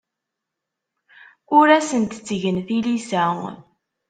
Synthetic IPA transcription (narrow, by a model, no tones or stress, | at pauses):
ʊɾæsənt̪t͡sːʝənθilisæ